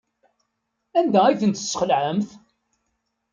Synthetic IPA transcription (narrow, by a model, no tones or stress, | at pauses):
ænd̪æiθənt̪ə̥sːχəlʕəmθ